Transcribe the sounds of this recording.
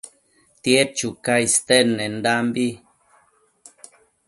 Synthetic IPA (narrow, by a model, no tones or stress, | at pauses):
t̪jet͡ʃukaist̪enːend̪ambi